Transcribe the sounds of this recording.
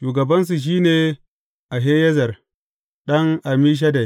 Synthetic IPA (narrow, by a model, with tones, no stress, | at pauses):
ʃuː˨ɡɐ˨bɐ˦ns̬u˨ʃ̬iː˦neː˨ | ʔa˨ɦeː˦jɛ˦zɐ˨r | ɗɐ˦ŋʔa˨miː˦ʃ̬a˦da˨j